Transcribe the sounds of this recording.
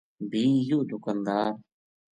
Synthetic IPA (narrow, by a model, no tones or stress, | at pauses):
bʱiːjoːd͡ʒʊkənd̪aː